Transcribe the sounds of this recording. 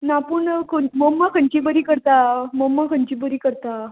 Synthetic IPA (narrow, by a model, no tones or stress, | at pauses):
napuɳkʰoməmːakʰəɲt͡ɕibəɾiːkəɾt̪amomːakʰəɲt͡ɕibəɾiːkəɾt̪a